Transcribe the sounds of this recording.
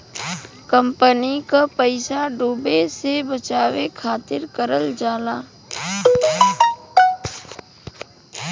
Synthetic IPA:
kə̃mpənikapəɪsaɖuːbesebət͡ʃaːʋekʰaːt̪ɪɾkəɾəld͡ʒaːlaː

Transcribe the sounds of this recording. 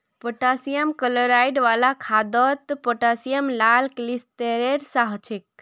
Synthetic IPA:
poʈasijəmkəloɾajɖʋalakʰad̪ɔt̪poʈasijəmlalklist̪eɾeɾsaɦt͡ʃʰik̚

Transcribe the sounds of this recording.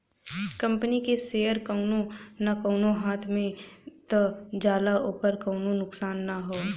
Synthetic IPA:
kɐ̃mpənikeseːəɾkɐʊnonakoːnoɦaːt̪ʰmẽt̪od͡ʒaːlaoːkəɾkoːnonʊksaːnːaɦoː

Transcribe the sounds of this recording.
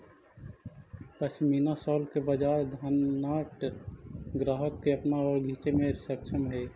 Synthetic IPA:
pəsmiːnasɔːlkebəd͡ʒaːɾd̪ʱaːnaːʈ | ɡɾaːɦəkːeɐpnaɔːɾɡʱiːt͡ʃemẽsəkʃʰəmɦɛː

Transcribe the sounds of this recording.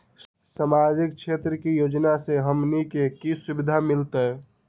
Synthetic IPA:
samad͡ʒik̚t͡ʃʰet̪ɾəkijod͡ʒnaseɦəmnikekisubid̪ʱamɪlt̪e

